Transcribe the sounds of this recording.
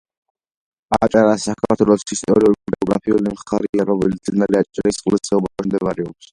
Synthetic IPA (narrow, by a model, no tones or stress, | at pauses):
at͡ʃʼaɾasakʰaɾt̪ʰwɛlˠɔsist̪ʼɔɾiulidɛɔɡɾa̰pʰiulimχaɾiaɾɔmɛlit̪snaliat͡ʃʼaɾisʼqʼlisɛubamɔt͡ʃʰmd̪ɛbaɾɛɔks